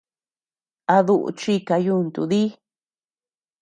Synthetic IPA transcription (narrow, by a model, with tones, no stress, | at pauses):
a˧ðu˦˧ʔṵ˧t͡ʃi˦ka˧ju˦˧nt̪ṵ˨ði˦